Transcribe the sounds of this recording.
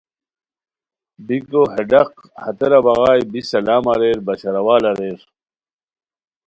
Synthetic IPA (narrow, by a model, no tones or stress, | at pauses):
bikoɦeɖɐq̚ | hɐt̪eɾɐbɐɣaːjbisɐlaːmɐɾeːɾbɐt͡ɕʰɐɾɐwaːlɐɾeɾ